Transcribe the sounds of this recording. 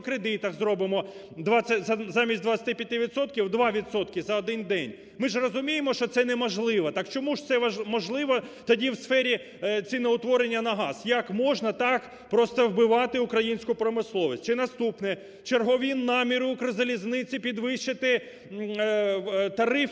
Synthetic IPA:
kɾed̪ɪt̪ɐxzɾɔbɪmɔ | d̪ʋat͡sʲːɐzɐzɑmʲisʲt̚ʲd̪ʋɐt͡sʲsʲɐt̪ɪpʲjɐt̪ɪʋʲid̪sɔt̪kʲiwd̪ʋɑʋʲit̪sɔt̪kʲɪzɐɔd̪ɪnd̪ɛnʲ | mɪʒrɔzʊmʲijemɔʃt͡ʃɔt̪sɛnɛmɔʒlˠɪʋɐt̪ɑkt͡ʃɔmuʒt̪sɛɐmɔʒlˠɪʋɐt̪ɔdʲiwsfɛɾʲi | t͡sʲinɛʊt̪ʋɔɾenʲːɐnɐɦɑzjɐkmɔʒnɐt̪ɑk | pɾɔst̪ɐwbɪʋɑt̪ɪʊkɾɐjinʲsʲkʊpɾɔmɪslˠɔʋʲis̚ʲt͡ʃɪnɐst̪upnɛ | t͡ʃerɦɔʋʲinnːɑmʲiɾʊʊkɾɐzɐlʲiznɪt͡sʲipʲid̪ʋɪʃt͡ʃɪt̪ɪ | t̪ɐɾɪf

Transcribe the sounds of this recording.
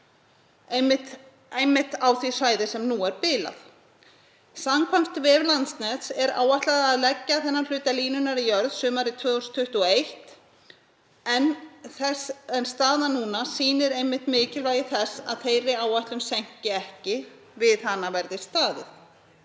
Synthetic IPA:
mɪ | ejmːɪht̪aːwθvisaːjðɪsɛmnuːɛɾpɪːla̰θ | samkʰvamft̪vɪvlant̪snɛt̪sɛɾa̰ːwvaht̪laðaːðlɛcːaθɛnːal̥ʏːt̪aliːnʏnaɾijœɾðsʏːmaɾit̪ʰvœːust̪ʰʏht̪ʏɔejht̪ | ɛn | ɛnst̪aːðanuːnasiːnɪɾejmːɪht̪mɪːcɪlvaːjɪθɛsːa̰ðθejɾɪaːwvaht̪lʏnsɛɲ̥cɪɛhcɪ | vɪðhanːavɛɾðɪ̥st̪aːðɪ̰θ

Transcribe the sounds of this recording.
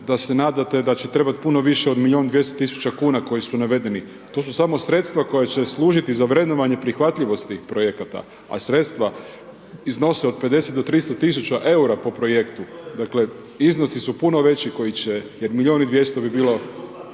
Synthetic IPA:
d̪asenaːd̪at̪e̞d̪at͡ɕet̪ɾe̞bat̪punoʋiʃeo̞d̪milʲio̞ːnd̪ʋje̞st̪ot̪isu̥t͡ɕakuːnako̞jisunaʋe̞d̪e̞ni | t̪o̞ːsusamo̞sɾe̞t̪st̪ʋako̞jet͡ɕe̞slˠuːʒit̪izaʋɾe̞d̪noʋaɲe̞pɾixʋat̪ʎiʋo̞st̪t̪iːxpɾo̞je̞kat̪a̰ | a̰sɾe̞t̪st̪ʋa | izno̞seo̞d̪̚pe̞d̪e̞set̪d̪o̞t̪ɾist̪ot̪isut͡ɕaʔe̞uɾapo̞pɾo̞jekt̪ud̪akle̞ | izno̞sisupuno̞ʋe̞t͡ɕiko̞jit͡ɕejeɾmilʎio̞ːnid̪ʋje̞st̪obibiːlo̞

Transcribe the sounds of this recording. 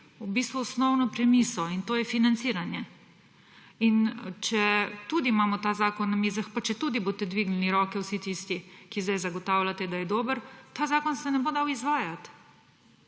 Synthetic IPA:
ubist̪ʋuɔsnɔwnɔpɾɛmisɔint̪oːjɛfinant̪siːɾanjɛ | int͡ʃɛt̪ud̪imaːmɔt̪aːzaːkɔnːamiːzaxpat͡ʃɛt̪ud̪iboːt̪ɛd̪ʋiːɡnɛniɾɔːkɛwsit̪ist̪ikizd̪ajzaɡɔt̪awlat̪ɛd̪ajɛd̪oːbəɾt̪aːzaːkɔnsɛnɛbod̪awizʋaːjat̪

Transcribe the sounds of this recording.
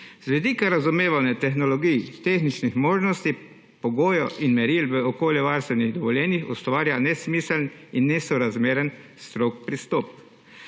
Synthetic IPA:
z̥ʋid̪iːkaɾazumeːʋawnɛt̪ɛxnɔlɔɡijt̪exnit͡ʃnixmoːʒnɔst̪i | pɔɡoːjɔʔinmɛɾilʋəɔkoːljɛʋaɾst̪ʋɛniɣd̪ɔʋɔljɛːnixɔ̰st̪ʋaːɾjanɛsmiːsəlninːɛsɔɾazmeːɾən | st̪ɾokpɾist̪ɔːpk

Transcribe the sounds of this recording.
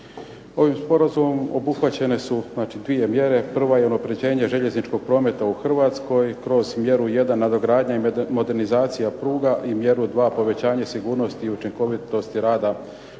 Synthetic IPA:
o̞ʋimspo̞ɾazumo̞mo̞̰buxʋat͡ɕe̞ne̞suznaːt͡ʃid̪ʋije̞mje̞ɾe̞pr̩ʋaje̞unapɾe̞d͡ʑe̞ːɲeʒe̞ʎe̞znit͡ʃko̞ɡ̥̚pɾo̞ːme̞t̪auxr̩ʋaːt̪sko̞jkɾo̞zmje̞ɾuje̞d̪anːad̪o̞ɡɾaːd̪ɲaimo̞d̪e̞ɾnizaːt̪sijapɾuːɡaʔimje̞ɾud̪ʋaːpo̞ʋe̞t͡ɕaːɲasiɡuːɾno̞st̪iːut͡ʃiŋko̞ʋit̪o̞st̪iɾaːd̪a

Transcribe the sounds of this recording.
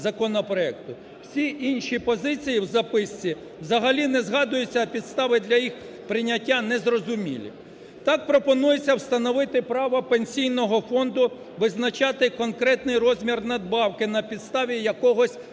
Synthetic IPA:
zɐkɔnɔpɾɔɛk̚t̪ʊ | wsʲiʔinʲʃipɔzɪt͡sʲijiwzɐpɪsʲt͡sʲi | wzɐɦɐlʲinɛzɦɑd̪ʊjʊt͡sʲːɐpʲid̪st̪ɑʋɪd̪lʲɐjix | pɾɪnʲɐtʲːanɛzrɔzʊmʲḭlʲḭ | t̪ɑk̚pɾɔpɔnujet͡sʲːɐwst̪ɐnɔʋɪt̪ɪpɾɑʋɐpenʲsʲijnɔɦɔfɔnd̪ʊ | ʋɪznɐt͡ʃɑt̪ɪkɔnkɾɛt̪nɪjrɔzʲmʲirnɐd̪̚bɑwkɪnɐpʲid̪st̪ɑʋʲijɐkɔɦɔsʲ

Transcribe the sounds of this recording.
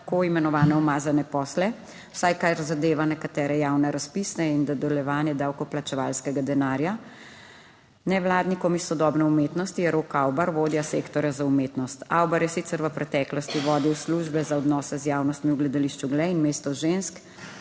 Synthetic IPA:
koːimɛnɔʋaːnɛɔmaːzanɛpɔːslɛ | w̥sajkaɾzad̪eːʋanɛkat̪ɛːɾɛjaːwnɛɾaspisnɛind̪ɔd̪ɛljɛʋaːnjɛd̪awkɔplat͡ʃɛʋa̰ːlskɛɡad̪ɛnaːɾja | nɛʋlaːd̪nikɔmisːɔd̪ɔːbnɛumeːt̪nɔst̪ijɛɾokawbaɾʋoːd̪jasekt̪ɔɾjazaumeːt̪nɔst̪a̰wbaɾjɛsit̪sɛɾʋəpɾɛt̪ɛklɔst̪iʋɔːd̪iwsluʒbɛzaɔd̪nɔːsɛzjaːwnɔst̪miwɡlɛd̪aliʃt͡ʃuɡlɛinmeːst̪ɔʒensk

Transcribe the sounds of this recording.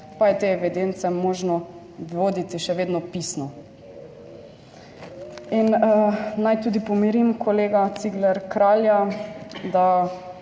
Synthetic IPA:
pajɛt̪eɛʋid̪ent̪sɛmoːʒnɔ | ʋoːd̪it̪iʃɛʋeːd̪nɔpisnɔ | inənajt̪uːd̪ipɔmiɾimkʰoleːɡat̪siɡlɛɾkɾaːlja | d̪a

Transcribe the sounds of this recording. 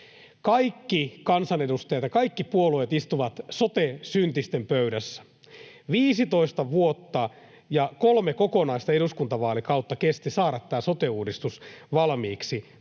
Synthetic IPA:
kɑikːikɑnsɑnedust̪ɑjɑt̪jɑkɑikːipuoluet̪ist̪uʋɑt̪sot̪esynt̪ist̪empøyɾæsːæ̥ | ʋiːsit̪o̞ist̪ɑʋuot̪ːɑ | jɑkolmekokonɑist̪ɑeɾuskunt̪ɑʋɑːlikɑut̪ːɑkest̪isɑːɾɑt̪ːæːsot̪euːdist̪usʋɑlmiːksi

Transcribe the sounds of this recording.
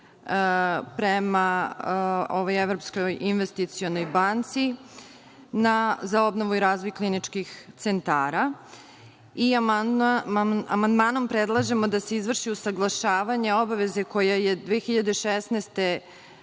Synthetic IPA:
pɾema | oʋojevɾo̞pskojinʋest̪it̪sio̞no̞jbant̪si | nazao̞bno̞ʋuiɾaːzʋo̞jklˠinit͡ʂkixt̪sent̪aːɾa | i | amand̪maːno̞mpɾed̪lˠaʒe̞mo̞d̪ase̞izʋr̩ʃiusaɡlˠaʃaːʋaɲe̞o̞baʋe̞ze̞ko̞jaje̞d̪ʋeːxiʎad̪eʃesneːst̪e̞

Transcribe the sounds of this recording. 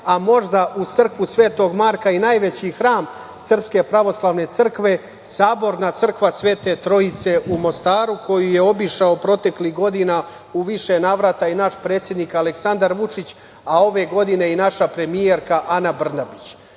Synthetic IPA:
amo̞ʒd̪aʔut̪sər̩kʋusʋe̞ːt̪o̞ɡmaːɾkainaːjʋe̞t͡ɕixɾaːm | sər̩pske̞pɾaʋo̞slˠaːʋne̞t̪sər̩kʋe̞ | saːbo̞ɾnat̪sr̩kʋasʋe̞ːt̪e̞t̪ɾo̞it̪se̞ʔumo̞st̪aːɾuko̞jije̞o̞biʃaopɾo̞t̪e̞kliɦɡo̞d̪ina | uʋiʃenaːʋɾat̪ainaʃpɾe̞ːt̪sʲje̞d̪nikaleksand̪aɾʋut͡ʂit͡ɕ | ao̞ʋe̞ɡo̞d̪ine̞inaʃapɾe̞mije̞ɾkaʔanabr̩nabit͡ɕ

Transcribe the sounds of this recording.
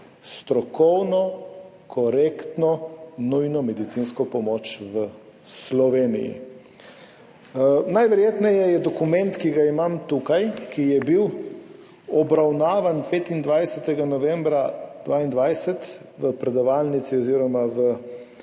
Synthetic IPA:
st̪ɾɔkɔwnɔ | kʰɔɾekt̪nɔnujnɔmɛd̪it̪sinskɔpɔmot͡ʃʋə | slɔʋeːnḭjḭ | najʋɛɾjeːt̪nɛjɛjɛd̪ɔkumɛ̃nt̪kiɡaimamt̪ukajkijɛbiw | ɔbɾawnaːʋanpeːt̪ind̪ʋajsɛt̪ɛɡanɔʋɛmbɾad̪̥ʋaːind̪ʋajsɛt̪ʋəpɾɛd̪ɔʋalnit̪siɔziːɾɔmaʋə

